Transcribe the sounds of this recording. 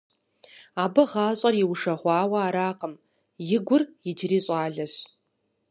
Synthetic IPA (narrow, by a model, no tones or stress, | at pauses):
aːbɐʁaːɕʼɐrjɪwʂɐʁʷɑːwɐaːɾaːqʼəm | jɪɡʷʊrjɪd͡ʒriːɕʼaːɮɐɕ